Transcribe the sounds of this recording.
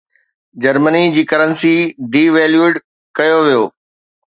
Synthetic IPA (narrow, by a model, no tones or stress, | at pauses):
d͡ʑɐɾmənid͡ʑiːkɐɾənsiɖiːʋɛːljueɖ | kɐjoʋijoː